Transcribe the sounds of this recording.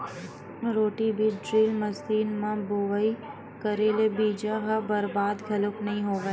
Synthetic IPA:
ɾoːʈibʱiɖɾiːlmɐsiːnmãboʋəi | kɐɾeːlebiːd͡ʒaɦabɐɾbaːd̪ɡʰʱɐlʊknɐɦĩɦoːʋeː

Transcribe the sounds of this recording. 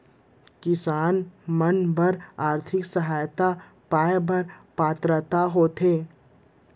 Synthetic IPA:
kɪsaːnmənbəɾaːɾt̪ʰɪksəɦaːjt̪a | paːebɐɾpaːt̪ɾət̪aɦoːt̪ʰeː

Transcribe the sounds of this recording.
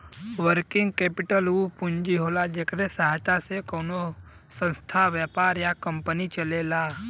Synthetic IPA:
ʋəɾkɪŋɡ̚kepɪʈəlupʊɲd͡ʒiɦoːlad͡ʒeːkəɾesaɦt̪asekoːno | sə̃nst̪ʰaʋjəpaːɾjakəmpənit͡ʃəlela

